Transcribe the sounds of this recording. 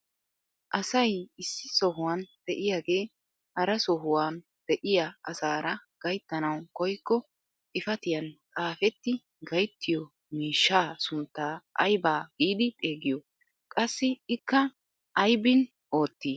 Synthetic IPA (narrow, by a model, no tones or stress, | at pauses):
ʔɐsɐjɪsːɪsɔɦʊwaːnd̪̥ɛʔɪjaːɡe̞ː | hɐɾɐsɔɦʊwaːn | d̪̥ɛʔɪjaɐsaːɾɐɡ̥ɐjt̪ːɐnɐwkɔjkːɔ | ʔɪfɐt̪ɪjɐnt͡sʼaːfɛt̪ːɪ | ɡɐjt̪ʰːɪjɔ | miːʃːaːsʊnt̪ːaːʔɐ̰jbaːɡ̥iːd̪ɪt̪ʼe̞ːɡɪjɔ | kʼɐsːɪɪkːɐ | ʔɐjbɪn | o̞ːt̪ːiː